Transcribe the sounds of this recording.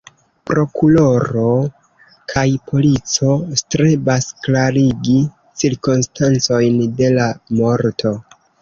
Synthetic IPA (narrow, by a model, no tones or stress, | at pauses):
pɾo̞kulo̞ɾo̞ | kʰajpʰo̞lit͡so̞stɾe̞basklaɾiɡi | t͡siɾkunstant͡so̞jnde̞lamo̞ɾtʰo̞